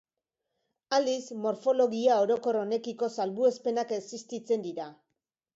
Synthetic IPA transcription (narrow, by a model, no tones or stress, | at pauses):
ald̪ismo̞ɾfo̞lo̞ɣiao̞ɾo̞ko̞ro̞ne̞kiko̞salβue̞spe̞nakesist̪it͡se̞nd̪iɾa